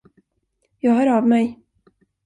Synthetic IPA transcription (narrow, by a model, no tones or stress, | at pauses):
jɑːɡhœːɾavmɛj